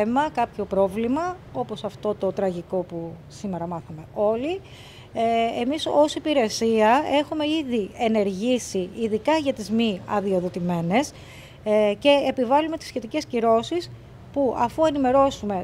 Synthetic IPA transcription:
emɐkɐpço̞pɾo̞vlimɐ | o̞po̞sɐft̪o̞t̪o̞t̪ɾɐʝiko̞pusime̞ɾɐmɐθɐme̞o̞li | emiso̞sipiɾe̞siɐe̞xume̞iðie̞ne̞ɾʝisiːðikɐʝɐt̪izmiɐ̰ðio̞ðo̞t̪ime̞ne̞s | ce̞ːpivɐlume̞t̪i̥sçe̞t̪ice̞sciɾo̞sis | puɐfuenime̞ɾo̞sume̞

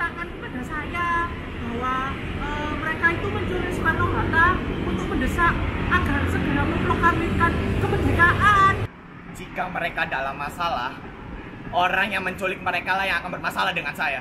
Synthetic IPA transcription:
t̪akankəbadasaja | b̥aɦwa | əməɾekait̪uməɲt͡ʃulɪksəmat̪aŋat̪aut̪ʊk̚bədəsaʔ̚aɡarsəɡəɾaməlokarmikankəbədakaʔan | d͡ʒikaməɾekadalamːasalah | oɾaŋjaŋməɲt͡ʃolɪk̚məɾekalahjaŋakanbərmasalahdəŋansaja

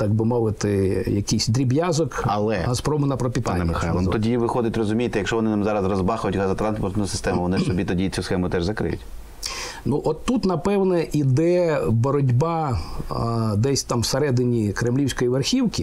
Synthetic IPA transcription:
t̪ɑɡ̚bɪmɔʋɪt̪ɪjɐkijsʲd̪ɾʲibjɑzɔkɐ̰lˠɛ̰ɦɐspɾɔmʊnɐpɾɔpʲit̪anɛmɪxajlˠnˠt̪ɔdʲiʋɪxɔd̪ɪtʲrɔzʊmʲijt̪ɛjɐkʃɔʋɔnɪnamzɑɾɐzrɔzbɑxʊjʊtʲɣɑzɐt̪ɾɑnspɔrt̪nʊjʊsɪ̥st̪ɛmʊʋɔnɪsɔbʲit̪ɔdʲit͡sʲusxɛmʊt̪ɛʒzɐkɾɪ̰jʊ̰tʲ | nuʔɔt̪ːut̪nɐpɛwnɛʔid̪ɛbɔɾɔdʲbɑ | d̪ɛsʲt̪ɑmwseɾɛd̪ɪnʲikɾemlʲiwsʲkɔjiʋerxʲiwkʲi

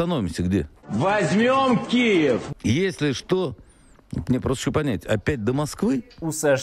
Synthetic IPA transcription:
ɐnovʲɪmsʲəɡdʲḛvɐzʲmʲomkʲijɪfjesʲlʲɪʂt̪o | mnʲepɾost̪ɪɕʲopɐnʲætʲɐ̰pʲæt̚ʲd̪əmɐskvɨusɐ

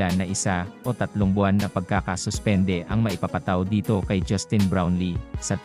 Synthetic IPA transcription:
anːɐʔɪsaʔo̞t̪ɐt̪loŋbʊanːɐpɐɡ̚kakɐsʊspɛnd̪ɛʔɐŋmɐʔɪpapɐt̪awd̪iːt̪o̞kɐjd͡ʒɐst̪ɪnbɹawnlisɐ

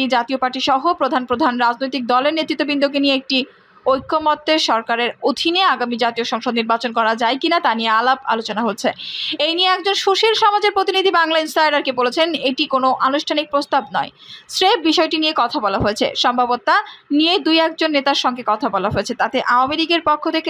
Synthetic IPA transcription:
id͡ʑat̪iopaɾʈiʃɔɦopɾod̪ʱanpɾod̪ʱanɾad͡ʑnojt̪ik̚d̪ɔleɾnet̪ɾit̪ːobind̪ʱok̬enieek̚ʈi | ojkʰːomɔt̪ːeʃɔɾkaɾeɾod̪ʱineaɡamid͡ʑat̪ioʃɔŋʃod̪niɾbat͡ɕonkɔɾad͡ʑaekinat̪anijealaba̰lot͡ɕonaɦolt͡ɕʰeejnijeɛk̚d͡ʑonʃuʃilʃɔmad͡ʑeɾpɾot̪inid̪ʱibaŋlainsʈajɖaɾkebolet͡ɕʰeneʈikonoʔanuʃʈʰanik̚pɾost̪abnɔ̰e | sɾebbiʃɔeʈiniekɔt̪ʰabɔlaɦoet͡ɕʰḛʃɔmbʱabot̪ːanied̪ujɛk̚d͡ʑonːet̪aɾʃɔŋɡekɔt̪ʰabɔlaɦoet͡ɕʰet̪at̪eʔawameɾiɡeɾpokʰːot̪ʰeke

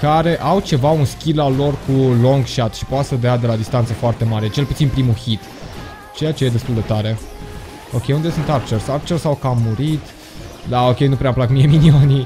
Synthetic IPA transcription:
kaɾe̞ʔawt͡ʃe̞vaunskʲilalo̞rkulo̞ŋɡʃat̪ʃipoat̪səd̪ead̪e̞lad̪ist̪ant̪səfoart̪e̞maɾet͡ʃe̞lput̪sinpɾimuçit̪ | t͡ʃejat͡ʃeje̞d̪e̞st̪uld̪e̞t̪aɾe̞ | o̞kʲejund̪esunt̪art͡ʃersart͡ʃersawkamːuɾit̪ | d̪ao̞kʲe̞jnupɾeamplakmieminioni

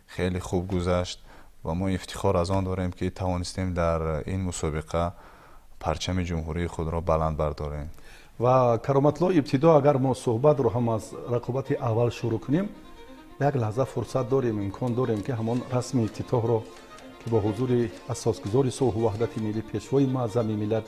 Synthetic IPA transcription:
χeliχub̚ɡuzaʃt̪ | vamɔift̪ʰi̥χɔɾazɔnd̪ɔɾemkʰit̪ʰavɔnist̪emd̪aɾḭnmusɔbiqʰa | pʰaɾt͡ʃʰamid͡ʒumɦuɾiːχud̪ɾɔbaland̪̚baɾd̪ɔɾem | vakʰaɾɔmat̪ʰulɔib̚t̪ʰid̪ɔaɡaɾmɔsuhbat̪ɾɔɦamazɾaqʰɔbat̪ʰiʔavːalʃuɾukʰunem | jaɡlahzafuɾsat̪̚d̪ɔɾemimkʰɔnd̪ɔɾe̞mkiɦamɔnrasmiːt̪ʰit̪ʰɔɦɾɔ | kʰibɔɦuzuɾiasɔsɡuzɔɾisulɦuvaɦd̪at̪ʰimilːipʰe̞ʃvɔimazamimilad̪

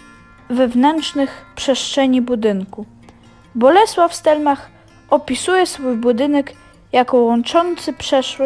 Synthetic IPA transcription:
vɛvnɛnt͡ʂnɘxpʂɛʂt͡ʂɛɲibud̪ɘŋku | bɔlɛswafst̪ɛlmax | ɔpʲisujɛsfujbud̪ɘnɛk | jakɔwɔnt͡ʂɔnt̪sɘpʂɛʂwɘ

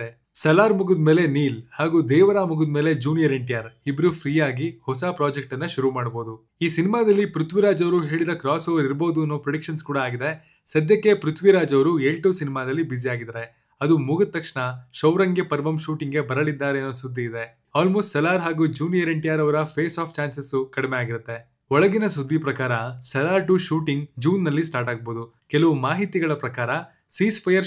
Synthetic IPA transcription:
e | sɐlaːɾmuɡud̪me̞ːle̞niːlhaːɡuːd̪ɛːʋɐɾaːmuɡud̪meːled͡ʒuːnjɐɾeɳʈijaːɾibɐɾupʰɾiːjaːɡihɔsapɾaːd͡ʒek̚ʈɐnːɐʃuɾumaːɽbo̞ːd̪u | iːsinimaːd̪ɐlːipɾut̪ʰʋiɾaːd͡ʒɐʋɐɾuɦe̞ːɭid̪ɐkɾaːsoːʋɐɾiɾbo̞ːd̪uɐnːoːpɾɐɽikʃɐnskuːɽaaːɡid̪e̞ | sɐd̪ʱjɐkːe̞pɾut̪ʰʋiɾaːd͡ʒɐʋɐɾueɭʈusinimaːd̪ɐlːibiziaːɡid̪ɐɾe̞ | ɐd̪umuɡɐt̪ːɐkʂɳɐʃɐʋɾɐŋɡepɐɾʋɐmʃuːʈiŋɡe̞bɐɾɐlid̪ːaːɾenːoːsud̪ʱːiːd̪e̞ | aːlmoːsʈsɛlaːɾɦaːɡud͡ʒuːnjeɾeɳʈijaːɾɐʋɐɾɐpʰeːsaːpʰt͡ʃaːnsesukɐɽimejaːɡiɾut̪ːe̞ | ɔɭɐɡinɐsud̪ːipɾɐkaːɾɐsɛlaːɾʈuʃuːʈiŋɡd͡ʒuːnːɐlːisʈaːɾʈaːɡ̚boːd̪u | kelɐʋumaːɦit̪iɡɐɭɐpɾɐkaːɾɐ | siːspʰɐjɐɾ

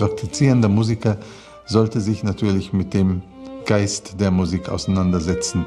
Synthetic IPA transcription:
ʁ̥ak̚tʰit͡siːʁəndɐmuːzikɐ | zɔltəzɪçnatʰyːɐlɪçmɪt̚d̥eːm | ɡ̥aɪstd̥eːɐmuziːkʔa̰ʊsanandɐzɛt͡sn̩

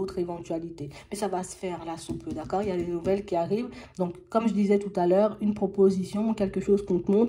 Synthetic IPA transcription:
ot̪χevɑ̃t̪ɥalit̪emɛsavasə̥fɛʁlasupʰød̪akɔːʁiljad̪enuvɛlkʲiaʁiːvd̪ɔ̃kːɔmʒəd̪izɛt̪ut̪alœːʁynpχɔpozisjɔ̃ukʲɛlkəʃozkɔ̃kmɔ̃

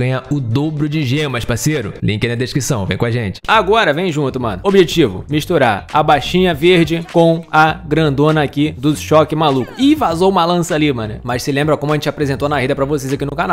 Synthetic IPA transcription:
ɐ̃ɲɐʊd̪obɾʊd͡ʒɪʒẽmɐʃpaseɾʊ̰lĩkẽnɐd̪eʃkɾisɐ̃w̃vḛ̃j̃kõaʒẽt͡ʃɪ̥aɡɔɾɐvẽj̃ʒũt̪ʊmɐ̰̃nd̪ʊobiʒet͡ʃivʊ̰miʃt̪uɾaɾɐbajʃĩɲɐveɾd͡ʒɪkõw̃ɐɡɾɐ̃nd̪õnɐːkid̪ʊʃɔkɪmalukʊɪvazowũmɐlɐ̃sɐalimɐ̃nɛmɐssɪlẽmbɾɐkõmʊɐʒẽt͡ʃapɾezẽnt̪onaɦid̪ɐpɾɐvosejzakinʊkana

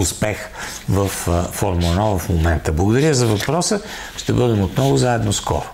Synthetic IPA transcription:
ʊspɛx | vɐfːɔɾmɐnɔvəfmomɛnt̪əblˠɡʊd̪ɐɾʲəzɐvɐpɾɔsə | ʃt̪ɛbɤd̪ɛmot̪nɔvʊzaɛd̪noskɔ̰ɾʊ

